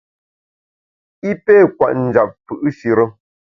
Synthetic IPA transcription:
i˦pɛ˦˨kwa̰˨ʔn̩˨d͡ʒa˨p̚fɨ˨ʔɨ˦si˨ɾə˦

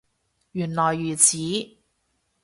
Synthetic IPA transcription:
jyː˨˩nlɔː˨˩jːyː˨˩t͡sʰiː˨˥

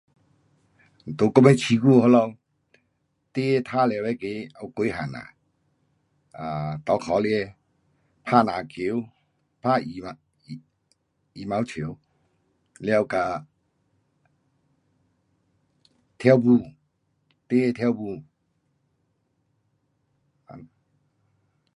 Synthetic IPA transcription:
n̩˨t̪o˨˦kɔ˦mɛ˦t͡ɕʰi˨˦ku˧˨ɦɔ˧˦lɔ˧˨ | t̪e˦˧t̪ʰa˦lɛ˨˧˨wɛ˨˦ke˨˦a˧˩˨ke˧˦ɦa˨na̰˨ | a˨t̪ɔ˨˦kʰɔ˨˦ljɛ˧˦ | pʰa˥˨na˨kʰe˨˦w | pʰa˦˨i˨a˧˨ | i˨ma˧˦wt͡ɕʰi˨˦w | ljɛ˧wka˧˨ | t̪ʰɛ˦wbu˧˨ | t̪e˦˧t̪ʰjɛ˧˦wbu˧˨ | a̰˨n

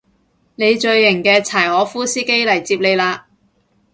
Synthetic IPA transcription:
ne˨˧jt͡ʃɵ˧ɥːɪ˨˩ŋkɛː˧t͡sʰaː˨˩jhɔː˨˥fuː˥siː˥ke˥jlɐ˨˩jt͡siː˧p̚le˨˧jlaː˧

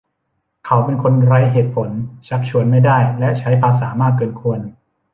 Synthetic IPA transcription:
kʰa˨˦wpe˧nkʰo˧nɾa˦˥jɦeː˨˩t̪̚pʰo˩˦nt͡ɕʰa˦˥k̚t͡ɕʰu˧ənma˥˩jdaː˥˩jlɛ˦˥ʔt͡ɕʰa˦˥jpʰaː˧s̬aː˩˦maː˥˩kːɤː˧nkʰu˧ən

